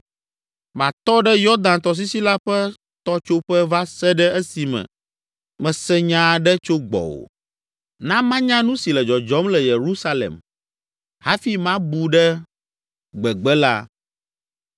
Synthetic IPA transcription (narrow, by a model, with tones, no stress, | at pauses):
mã˨t̪ɔ˦ɖɛ˦jɔ˦d̪ã˨nt̪ɔ˨s̬i˦si˦la˦ɸɛ˦ | t̪ɔ˦t͡ʃo˦ɸɛ˦va˦sɛ˦ɖɛ˦ɛ˦si˨mɛ̰̃˨ | mɛ̃˨sɛ˦ɲã˦ɖɛ˦t͡ʃo˦ɡ͡bɔ̰˨wo̰˨ | nã˦mã˦ɲã˦nũ˦si˨lɛ˨d͡ʒɔ˨d͡ʒɔ˨˦mlɛ˨je˨ɾu˦sa˦lḛ˨m | ha˦fi˦mã˦bu˨ɖɛ˦ | ɡ͡bɛ˨ɡ͡bɛ˦la̰˦